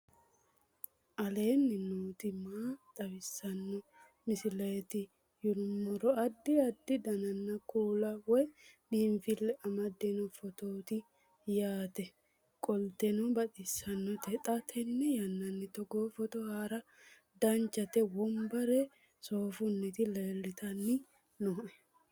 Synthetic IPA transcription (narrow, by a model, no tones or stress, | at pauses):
ʔɐle̞ːnːɪnuːt̪ɪmaːt̪ʼɐwɪsːɐnːɔ | mɪsɪlɐt̪ɪ | jʊlʊmːɔɾɔɐd̪ːɪɐd̪ːɪd̪ɐnɐnːɐkuːlɐwɔjdiːmfɪlːɛʔɐmɐd̪ːɛnɔfɔt̪oːt̪ɪ | jaːt̪ɛ | kʼɔlt̪ɛnɔbɐdɪsːɐnːɔt̪ɛt̪ʼɐt̪ʰɛnːɛjɐnːɐnːɪt̪ɔɡofɔt̪ɔhaːɾɐ | d̪ɐnt͡ʃːɐt̪ɛwɔmbɐɾɛ | soːfʊnːɪt̪ɪleːlːɪt̪ɐnːɪ | noːʔɛ